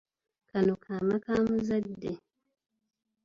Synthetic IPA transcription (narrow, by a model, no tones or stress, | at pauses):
kʰanokʰaːmakaːmuzadːe